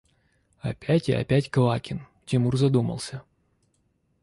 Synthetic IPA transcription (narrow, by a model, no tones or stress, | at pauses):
ɐpʲætʲɪ̰ɐ̰pʲætʲkɐvakʲɪn | tʲɪmurzɐd̪umə̰lˠsʲə